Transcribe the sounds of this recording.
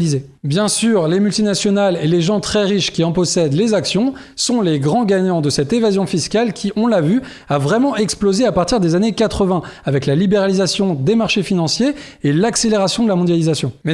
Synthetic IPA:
lize | bjɛ̃syʁlemylt̪inasjɔnaleleʒɑ̃t̪χɛʁiʃkʲiɑ̃pɔsɛd̪lezaksjɔ̃ | sɔ̃leɡʁɑ̃ɡaɲɑ̃d̪əsɛt̪evazjɔ̃fiskalkʲʰiʔɔ̃lavy | avʁɛmɑ̃ʔɛksplozeapaʁt̪iʁd̪ezanekat̪χəvɛ̃avɛklalibeʁalizasjɔ̃d̪emaʁʃefinɑ̃sjeːlakseleʁasjɔ̃d̪əlamɔ̃d̪jalizasjɔ̃mɛ

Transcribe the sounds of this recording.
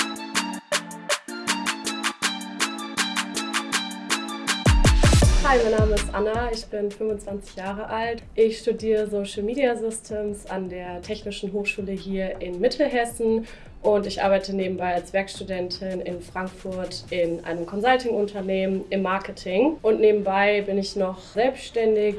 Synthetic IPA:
haɪmaɪnaːməɪstʔanaɪçb̥ɪnfʏmvʊnt͡sv̥ant͡sɪ̥çjaːʁəʔaltʔɪçʃtudiːʁəzoʃl̩miːdiazʏstʰeːmsandeːɐtʰɛçnɪʃn̩ɦoːxʃuːləɦiːɐʔɪnmɪtʰl̩ɦɛsn̩ | ʔʊntɪçʔa̰ɐbaɪtəneːbm̩baɪalsv̥ɛɐkʃtudɛntʰɪnɪnfʁ̥aŋkfʊɐtʔɪnʔa̰ɪnəmkʰɔnzaltʰɪŋʊntʰɐneːmənɪmːaɐkətʰɪŋʔʊntneːbm̩baɪbɪnɪçnɔχzɛlpsʃtɛndɪk

